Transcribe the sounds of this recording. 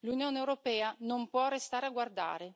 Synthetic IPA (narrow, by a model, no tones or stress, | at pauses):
lunjoːneewɾopɛːanompwɔrest̪aːɾeaɡward̪a̰ːɾe